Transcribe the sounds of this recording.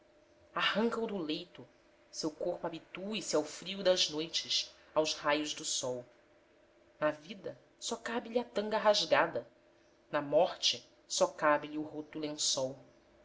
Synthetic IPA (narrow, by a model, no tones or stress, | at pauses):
ahɐ̃ŋkɐud̪ʊlejt̪ʊ | sewkoχpʊabit̪uisɪawfɾiʊd̪ɐznojt͡ʃɪs | awzhajʊʒd̪ʊsɔw | nɐvid̪ɐ | sɔkabɪʎiɐt̪ɐ̃ŋɡɐɦaʒɡad̪ɐ | nɐmɔχt͡ʃɪ | sɔkabɪliuɦot̪ʊlẽsɔw